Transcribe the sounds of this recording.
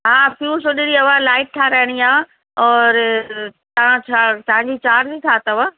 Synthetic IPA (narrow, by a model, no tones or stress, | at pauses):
ɦaːfjuːsoɗɪɾiɐʋalaːɪʈ̚t̪ʰaɾɐɦɪɽ̃iaː | ɔːɾt̪ɐʋ̤ãt͡ɕʰat̪ɐʋãɲd͡ʑit͡ɕaːʈzit̪ʰaːt̪ɐʋa